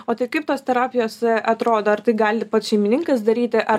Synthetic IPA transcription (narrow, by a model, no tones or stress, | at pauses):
oːt̪ɐɪkɐɪp̚t̪oːst̪ʲɛɾɑːpʲɪjoːsʔɐt̪ɾoːd̪oːɐrt̪ɐɪɡɑːlʲɪpɐt̪ʃʲɛɪmʲɪnʲɪŋkɐsd̪ɐɾʲiːt̪ʲɪʔɐ